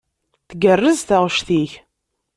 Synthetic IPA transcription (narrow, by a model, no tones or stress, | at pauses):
θəɡərːəzθəʁʃθiç